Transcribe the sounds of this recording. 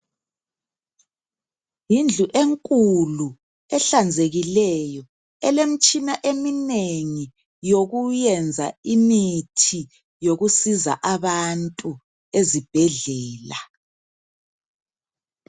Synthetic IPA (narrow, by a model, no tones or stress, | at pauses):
jind͡ɮʱuʔeŋkʼulu | ɛɬand͡zʱeɣilɛjɔ | ɛlem̩t͡ʃʼinaʔemineŋi | joɣujɛnd͡zʱa̰imitʰi | joɣusiza̰ʔaβantʼu | ezib̥ʱɛɮɛːla